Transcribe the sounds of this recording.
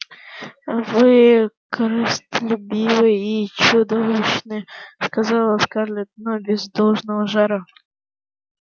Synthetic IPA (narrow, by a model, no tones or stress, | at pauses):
vɨkəɾəst̪əlʲʊbʲivɨjit͡ɕʊd̪ovɨɕnɨskazɑlˠəskarlʲɪt̪nobʲɪzd̪olˠʐnəvəʐaɾə